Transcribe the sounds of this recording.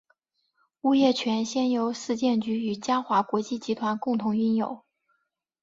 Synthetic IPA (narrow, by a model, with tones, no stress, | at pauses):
u˥jɛ˥˩t͡ɕʰɥɛ˧˥nɕjɛ˥njo˧˥ʊʂɹ̩˥˧t͡ɕjɛ˥˩nt͡ɕy˧˥y˨˩t͡ɕja˥xwa˧˥kwɔ˧˥t͡ɕi˥˩t͡ɕi˧˥t̪ʰwa˧˥nkʊ˥˩ŋt̪ʰʊ˧˥ŋy˥njo̰˨˩˦ʊ